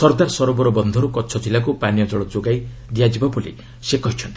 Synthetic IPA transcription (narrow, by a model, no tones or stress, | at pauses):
sɔɾɡaɾsɔɾɔbɔɾɔbɔnd̪ʱɔɾukɔt͡ʃʰɔd͡ʒilakupanijɔd͡ʒɔɭɔd͡ʒoɡaj | d̪ijad͡ʒibɔbulḭ | sekɔɦit͡ʃʰɔnt̪i̥